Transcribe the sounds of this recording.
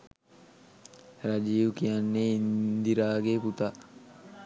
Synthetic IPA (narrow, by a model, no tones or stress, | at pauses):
ɾad͡ʒiːʋkijanːeind̪iɾaːɡeːput̪a